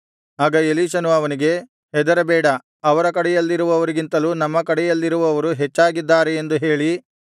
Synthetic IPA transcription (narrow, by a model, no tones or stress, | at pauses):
aːɡɐeliːʃɐnuɐʋɐniɡe̞ | ɦɛd̪ɐɾɐbɛːɽɐ | ɐʋɐɾɐkɐɽɛjɐlːiɾuʋɐʋɐɾiɡint̪ɐluːnɐmːɐkɐɽɛjɐlːiɾuʋɐʋɐɾuɦet͡ʃːaːɡid̪ːaːɾe̞end̪uɦe̞ːɭi